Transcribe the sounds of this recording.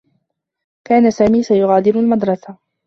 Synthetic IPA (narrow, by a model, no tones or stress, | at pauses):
kaːnasaːmiːsajʊɣaːd̪ɪɾʊlmad̪ɾˤɑsa